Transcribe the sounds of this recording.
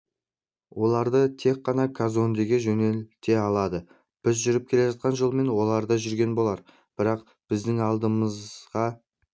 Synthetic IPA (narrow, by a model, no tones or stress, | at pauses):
wʔo̞lˠɑɾd̪ət̪ʰe̞k̚qːɑnɑkʰazo̞nd̪eɡʲeʒɵne̞lt̪e̞ɑlˠɑd̪ə | b̥ɪzʒʏɾɪp̚kʲʰe̞le̞ʒɑt̪̚qɑnʒolˠme̞nwo̞lˠɑɾd̪ɑʒʏɾɡʲe̞nbo̞lˠɑɾ | b̥ɪɾɑq | b̥ɪzd̪ɪŋɑlˠd̪əməzʁɑ